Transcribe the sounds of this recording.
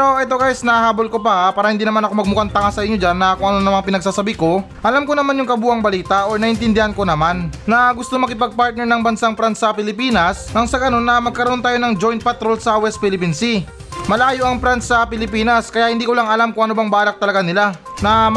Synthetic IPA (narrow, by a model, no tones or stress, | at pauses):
pɾoʔɛt̪̬oɡaːjɪsnɐɐhaːbo̞lko̞pɐpaːɾɐhɪnd̪iːnɐmanɐko̞mɐɡ̚mukɐŋt̪ɐŋasɐʔɪɲːod͡ʒanːɐkʊŋʔɐnonɐmaŋpɪnɐɡsaːsɐbiko̞ | ʔɐlamkonɐmanjʊŋkɐbuːʔɐŋbɐliːt̪aʔoɹnɐʔɪnt̪ɪnd̪ɪhanko̞nɐmanːɐɡʊst̪omɐkɪp̬ɐɡ̚paɹt̪̚nɛɹnɐŋbɐnsaŋpɾansɐpɪlɪpiːnɐsɐŋsɐɡɐno̞nːɐmɐɡ̚kɐɾoʔo̞nt̪aːjo̞nɐŋd͡ʒo̞jnt̪̚pɐt̪ɾo̞lsɐwɛst̪pɪlɪpinsi | mɐlaːjoʔɐŋfɾansɐpɪlɪpiːnɐskɐjaʔhɪnd̪iːkolaŋɐlamkʊŋʔɐnobɐŋbaːlɐk̚t̪ɐlɐɡanɪla | nɐm